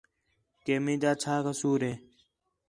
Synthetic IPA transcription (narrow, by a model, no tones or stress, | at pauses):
keːmĩːd͡ʒaːt͡ʃʰaːkəsuːɾeː